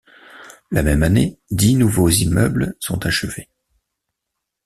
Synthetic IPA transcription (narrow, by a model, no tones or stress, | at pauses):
lamɛmaned̪inuvozimœ̰blsɔ̃t̪aʃəve